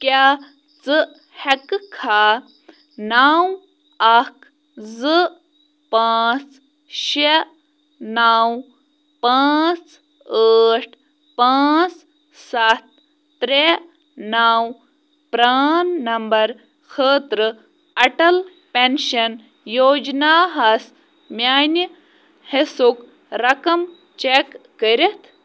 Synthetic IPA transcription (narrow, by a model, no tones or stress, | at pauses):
kjaː | t͡sɨ | hɐkkʰaː | naːw | ɐkʰ | zɨ | paːt͡s | ʃe | naw | paːt͡s | əːʈʰ | paːt͡s | sɐt̪̚ː | ɾe | naw | pɾaːnːɐmbɐɾ | kʰəːt̪ɾə | ɐʈɐl | penʃɐn | joːd͡ʒnaːɦɐs | mʲjaːni | hesuk | ɾɐkɐm | t͡ʃekːəɾʲet̪ʰ